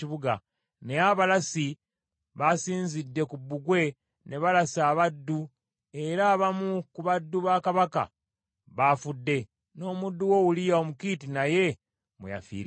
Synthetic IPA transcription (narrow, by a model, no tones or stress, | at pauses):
iβuɡa | ne̞aβalasi | βasiːnzidːe̞kubːuɡwe̞ | ne̞βalasaːβadːu | e̞ɾaːβamukuβadːuβaːkaβaka̰ | βafudːe̞ | no̞ːmudːuwo̞wulijaomukitinaje̞ | mṵja̰fḭːɾ